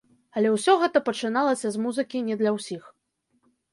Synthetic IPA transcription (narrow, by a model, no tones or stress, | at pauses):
ɐlʲɛwsʲɔɣɛt̪ɐpɐt͡ʂɨnalˠɐsʲɐzmuzɨkʲinʲɛd̪lʲɐwsʲix